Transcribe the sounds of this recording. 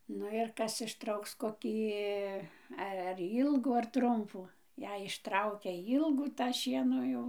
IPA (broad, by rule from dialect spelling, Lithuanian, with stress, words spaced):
ˈnʊ ɪr ˈkɐs ɪʃˈtrɐʊks koːˈkʲiː ˈɛ ɐr ˈiːlˠɡuː ɐr ˈtrʊmpuː ˈjɛɪ ɪʃˈtrɐʊkʲɛ ˈiːlˠɡuː tɑː ˈʃʲiɛnoː ˈjɛʊ